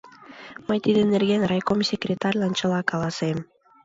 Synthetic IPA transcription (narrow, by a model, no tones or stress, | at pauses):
məjt̪id̪ə̆nerɣenrɑjkomsʲekrʲet̪ɑrʲlɑnt͡ɕə̆lɑkɑlˠɑsem